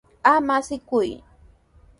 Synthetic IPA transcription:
amasɪkʊj

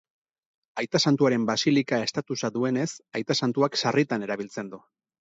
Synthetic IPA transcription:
ajt̪asant̪uaɾe̞mbasilikae̞st̪at̪usaðue̞ne̞sajt̪asant̪uakʃarit̪ane̞ɾaβ̞ilt͡se̞nd̪u

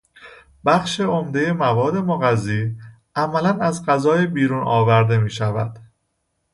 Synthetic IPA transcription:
b̥æxʃe̞omd̪e̞je̞mævɒːd̪e̞moɣæzːiː | ʔæmælænæzɢæzɒːjebiːɾuːnʔɒːvæɾd̪e̞miːʃævæ̰d̪̥

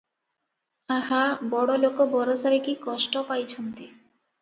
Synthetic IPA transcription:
ahabɔɽolokobɔɾosaɾekikɔʃʈopajt͡ɕʰont̪i

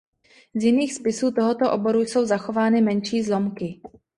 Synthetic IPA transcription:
zjɪniːxspɪsuːt̪oɦo̞t̪oʔobo̞ɾujso̞wzaxo̞vaːnɪmɛnʃiːzlo̞mkɪ

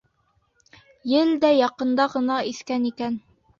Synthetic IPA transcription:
jɘld̪æjɑqɤ̆nd̪ɑʁɤ̆nɑiθkænikæn

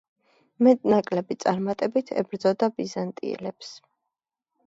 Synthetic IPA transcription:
mɛt̪ʼnakʼlɛbit̪sʼaɾmat̪ʼɛbit̪ʰɛ̰bɾd̪zɔd̪abizant̪ʼḭɛ̰lɛps

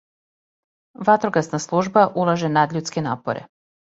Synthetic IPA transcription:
ʋat̪ɾoɡasnaslˠuʒbaʔulˠaʒenad̪lʎuːt̪skenaːpo̰ɾḛ

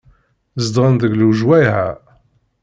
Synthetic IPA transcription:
zəd̪ʁənðəɡluʒwæjhæ̰

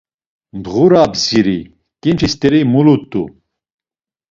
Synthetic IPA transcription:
md̪ʁuɾabziɾi | kʼint͡ʃʰist̪ɛɾimulut̪ʼːṵ

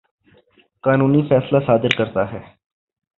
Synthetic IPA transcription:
kaːnuːnifʰɛːslasaːd̪ɪɾkəɾt̪aɦɛː

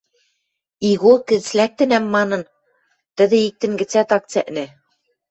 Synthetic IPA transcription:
iɣokɘ̆ð̆slæk̚t̪ɘ̆næmːɑnɤ̆n | t̪ɘ̆ðɘ̆ik̚t̪ɘ̆ŋɡɘ̆t͡sæt̪ɑk̚t͡sæ̰ʔnɘ̆

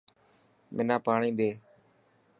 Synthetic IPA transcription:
mʔɪnaːpaːɳĩːd̪eː

